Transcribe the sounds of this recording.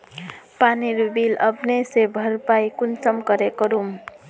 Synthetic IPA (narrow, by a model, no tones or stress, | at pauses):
paniɾubilʌpnesebʱʌɾpajkunt͡ʃʌmkʌɾekʌɾum